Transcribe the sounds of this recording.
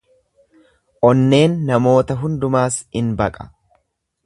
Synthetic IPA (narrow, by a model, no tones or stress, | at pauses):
ʔɔnːe̞ːnːɐmo̞ːt̪ɐɦʊnd̪ʊmaːsɪnbɐkʼɐ̥